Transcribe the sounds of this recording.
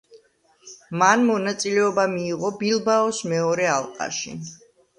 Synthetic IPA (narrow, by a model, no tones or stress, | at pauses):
manmɔnat̪sʼilɛɔbamiːʁɔbilˠbaɔsmɛɔɾɛalˠqʼa̰ʃḭ